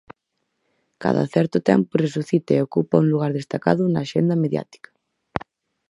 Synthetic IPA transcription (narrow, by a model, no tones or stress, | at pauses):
ka̰ðɐ̰θɛɾt̪ʊt̪ɛ̰mpʊresuθit̪aeokupɐuŋluɣ̞aɾðest̪akaðʊnaːʃend̪ɐmeðja̰t̪i̥kḁ